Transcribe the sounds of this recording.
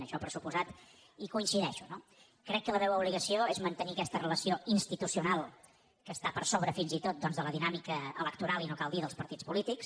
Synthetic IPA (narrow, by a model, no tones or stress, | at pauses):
əʃɔpɾəsupuzat̪ | ikuinsiðɛʃuno | kɾɛkːələβɛwəuβliɣəsioezmənt̪ənikɛst̪ərələsioinst̪it̪usiunalˠ | kəst̪apəɾsoβɾəfinzit̪ot̪̚d̪ɔnzðələðinamikəə̰ləkt̪uɾalˠinokalˠd̪iðəlˠspəɾt̪it͡spulit̪iks